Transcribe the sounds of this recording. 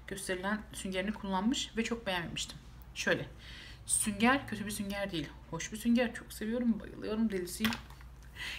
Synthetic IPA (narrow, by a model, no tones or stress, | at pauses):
ɟ̥ø̞st̪ʰe̞ɾilʲænsyɲɟe̞ɾinikʰulˠːanmɯʃvɛt͡ʃʰo̞k̚be̞jæmet̪mi̥ʃt̪ʰi̥m | ʃø̞jlʲɛ | syɲɟæɾcʰøt̪ybisyɲɟæɾd̪ejilʲho̞ʃbisyɲɟæɾt͡ʃʰo̞kse̞vijo̞ɾumba̰jɯ̰lˠɯjo̞ɾumd̪elʲisi